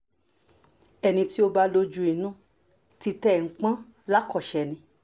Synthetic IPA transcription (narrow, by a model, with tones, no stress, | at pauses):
ɛ˧nĩ˧ti˦o˧ba˧lo˧d͡ʒu˧˦i˨nũ˦ | ti˧tɛ˦˨ŋ̩˦k͡pã˦ | la˦kɔ˦˨ʃɛ˨nĩ˧